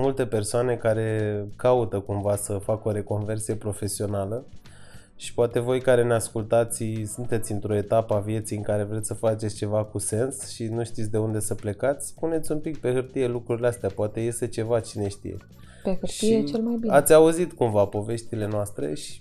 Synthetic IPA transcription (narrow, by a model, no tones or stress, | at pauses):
mult̪e̞pe̞rsoane̞kaɾe̞kaut̪əkumvasəfako̞ɾe̞ko̞nve̞rsije̞pɾo̞fe̞sio̞nalə | ʃi̥poat̪e̞vo̞jkaɾe̞neaskult̪at̪sʲsunt̪e̞t̪sʲɨnt̪ɾo̞e̞t̪apəavje̞t̪sijɨŋkaɾe̞vɾet̪sʲsəfat͡ʃet̪sʲt͡ʃe̞vakuse̞nsʃinuʃt̪it̪ʲd̪e̞und̪e̞səple̞kat̪sʲpune̞t̪sʲumpikpe̞hɨrt̪ije̞lukɾuɾileast̪eapoat̪e̞je̞st̪e̞t͡ʃe̞vat͡ʃine̞ʃt̪ḭjḛ | pehɨʃijiet͡ʃelmajbiat̪sʲauzit̪kumvapo̞ve̞ʃt̪ile̞noast̪ɾe̞̰ʃi̥